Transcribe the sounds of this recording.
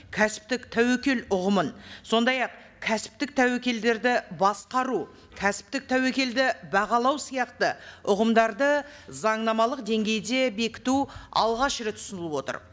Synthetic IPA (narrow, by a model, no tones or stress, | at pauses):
kʲʰæsɪ̥p̚t̪ɪkt̪ʰæwekʲe̞lʊʁəmənso̞nd̪ɑjɑq | kʲʰæsɪ̥p̚t̪ɪk̚t̪ʰæwe̞kʲe̞ld̪e̞ɾd̪ɪbɑsqɑɾu | kʲʰæsɪ̥p̚t̪ɪk̚t̪ʰæwe̞kʲe̞ld̪ɪbɑʁɑlˠɑwsijɑqt̪əʊʁəmd̪ɑɾd̪ə | zɑɴnɑmɑlˠəqd̪e̞ŋɡʲe̞jd̪e̞be̞kʲɪ̥t̪uɑ̰lˠʁɑʃɾet̪ʰʊ̥sənəlˠəpwo̞t̪ə̰ɾ